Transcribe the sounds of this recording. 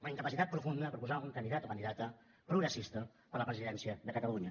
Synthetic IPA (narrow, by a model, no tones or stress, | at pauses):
unəiŋkəpəsit̪at̪pɾufund̪əpɾupuzauŋkənd̪iðat̪okənd̪iðat̪ə | pɾuɣɾəsist̪ə | pəɾləpɾəziðɛnsiəðəkət̪aluɲə